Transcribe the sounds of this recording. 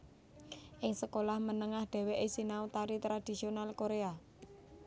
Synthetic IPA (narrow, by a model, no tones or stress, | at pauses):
ʔɪŋsəkolahmənəŋahɖ̪̥ɛ̤weʔɪsinaut̪aɾit̪ɾad̪̥i̤sionalkoɾea